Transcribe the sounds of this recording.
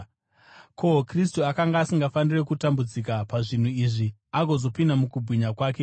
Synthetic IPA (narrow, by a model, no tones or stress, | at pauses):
kʰo̞kris̬tuakaŋɡaːsiŋɡafanire̞kutambud͡zikapaʐin̤uiʐiaɡʱo̞zo̞pindamukubʱwiɲakwaːk̬e̞